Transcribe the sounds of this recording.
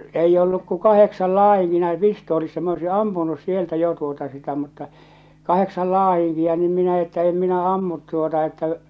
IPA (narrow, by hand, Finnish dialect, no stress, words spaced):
eijː olːuk ku kɑheksɑl lɑːh̞iŋki næi pistoːlisːɑ m oisi ɑmpunus sieltæ jo tuotɑ sitæ mutːɑ kɑheksɑl lɑːiŋkiɑ niːm minæ etːæ em minæ ɑmːut tuotɑ etːæ